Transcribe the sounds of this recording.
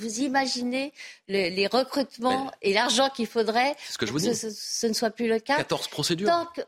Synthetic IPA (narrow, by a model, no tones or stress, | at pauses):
vuzimaʒineləleʁəkχyt̪mɑ̃elaʁʒɑ̃kʲilfod̪ʁɛsə̥kəʒuəsənəswaplyləkakat̪ɔʁz̥pχɔsed̪yt̪ɑ̃k